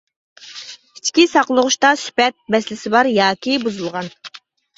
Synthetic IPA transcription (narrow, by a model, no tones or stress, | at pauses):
it͡ʃkʲisɑqlˠəʁʊʃt̪ɑsy̥pɛt̪̚bɛslɪsɪbɑɾjɑːkʲibuzulˠʁɑn